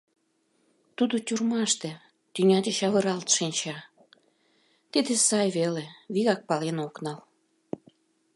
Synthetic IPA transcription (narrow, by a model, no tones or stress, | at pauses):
t̪ud̪otʲurmɑʃt̪ĕ | t̪ynʲɑd̪eɕɑβɤ̆ɾɑlt̪ʃinʲt͡ɕɑ | t̪id̪esɑjβeleβiɣɑk̚pɑlenoknɑl